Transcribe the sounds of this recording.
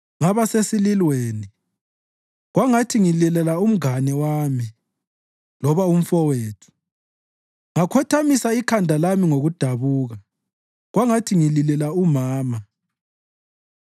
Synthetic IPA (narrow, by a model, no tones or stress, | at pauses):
ŋaβasesililweːni | ɣwaŋatʰiŋilɛlɛlaum̩ɡanɛwaːmi | lɔβaum̩fɔweːtʰu̥ | ŋakʰɔtʰamisaikʰandʱalamiŋoɣud̥ʱaβuːɣa | ɣwaŋatʰiŋililɛlaumaːma